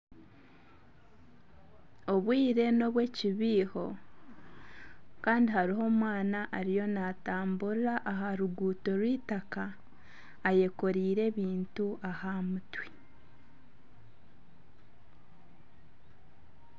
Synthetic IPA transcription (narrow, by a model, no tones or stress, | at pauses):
o̞βwiːɾe̞no̞βwe̞ːciβiːho̞ | kaːndihaɾiɦo̞ːmwaːnaʔːɾijo̞nataːmbuɾaʔaɦaɾuɡuːto̞ɾwiːtakaː | je̞ko̞ɾiːɾe̞ːβiːntuʔahamutwi